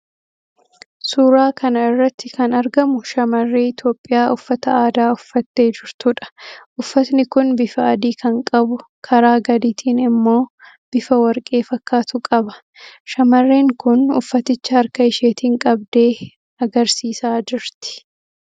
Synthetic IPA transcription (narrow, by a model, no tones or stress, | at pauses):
suːɾaːkɐnɐɪrːɐt̪ːɪkɐnɐɾɡɐmʊʃɐmɐrːeːɪt̪jo̞ːpʼːɪjaːʔʊfːɐt̪ɐaːd̪aːʊfːɐt̪ːeːd͡ʒɪɾt̪ʊᶑɐ̥ʔʊfːɐt̪nɪkʊnbɪfɐːd̪iːkʰɐŋkʼɐbʊkʰɐɾaːɡɐd̪iːt̪ʰiːnɪmːo̞ː | b̥ɪfɐwɐɾkʼe̞ːfɐkːaːt̪ʊkʼɐbɐ̥ | ʃɐmɐrːe̞ːŋkʊnʊ̰fːɐt̪ɪt͡ʃːɐɐɾkɐɪʃeːt̪iːŋkʼɐbd̪eː | ɐɡɐɾsiːsaːd͡ʒɪɾt̪ɪ̥